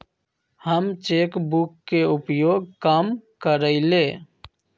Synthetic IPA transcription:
həmt͡ʃeːkbʊkːeʊpjoːɡ̚kamkəɾəɪleː

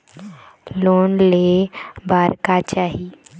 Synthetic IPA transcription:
loːnlebaːɾkat͡ʃaːɦi

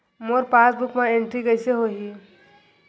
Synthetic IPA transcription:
moːɾpaːsbʊkmãẽɳʈɾikɐɪseɦoːɦi

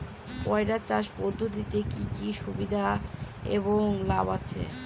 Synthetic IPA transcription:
pɔeɖat͡ɕaʃpoɾd̪ʱod̪it̪ekikiʃubid̪ʱaḛβoŋlabat͡ɕʰḛ

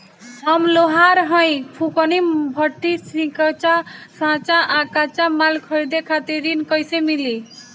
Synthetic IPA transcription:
həmloɦaɾɦə̃j̃pʰukənibʱəʈ̪ːisĩkət͡ʃasãt͡ʃaʔakat͡ʃamalkʰəjd̪ekʰat̪iɾinkəjsemili

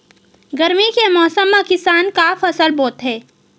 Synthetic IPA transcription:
ɡɐɾmikemɔːsəmːakɪsaːnkafʰɐsəlboːt̪ɦɛː

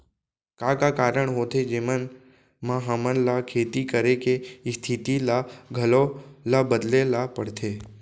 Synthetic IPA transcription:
kakakaːɾəɽ̃ɦoːt̪ʰed͡ʒemən | mãɦəmənlakʰeːt̪ikəɾekest̪ʰɪt̪ilaɡʱəlolabəd̪lelapəɽt̪ʰeː

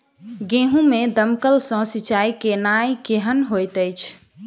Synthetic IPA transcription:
ɡẽɦũmed̪əmkəlsɔ̃sit͡ʃaikenajkeɦənɦojt̪əjt͡ʃʰ

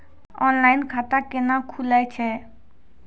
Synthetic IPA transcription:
ɔnlaɪnkʰat̪akenakʰulajt͡ʃʰɛ

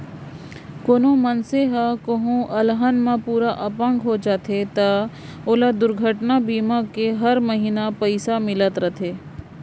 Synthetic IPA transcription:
koːnomɐnseɦakoɦũʔɐlɦənmãpuːɾaʔɐpə̃ŋɡɦod͡ʒaːt̪ʰet̪ɐ | oːlad̪ʊɾɡʱəʈnabiːmakeɦɐɾməɦiːnapəɪsamɪlət̪ɾət̪ʰeː

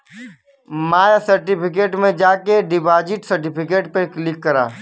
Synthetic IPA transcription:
maːjasəɾʈipʰɪk̬eːʈmẽd͡ʒaːkeɖɪbaːd͡ʒɪʈsɐɾʈipʰɪkeːʈpəklɪkːəɾa̰ː

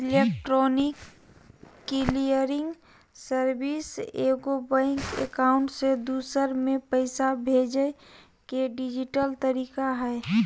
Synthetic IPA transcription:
ɪlekʈɾɔːnɪkː | ilijəɾɪ̃ŋɡ | səɾbiseːɡobaɪŋkḛkaʊ̃ɳʈsed̪uːsəɾmẽpəɪsabʱeːd͡ʒə | keɖid͡ʒiʈəlt̪əɾiːkaɦɛː

